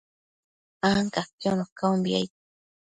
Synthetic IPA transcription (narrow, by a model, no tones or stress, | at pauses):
aŋkakjonokaumbia̰jt̪̚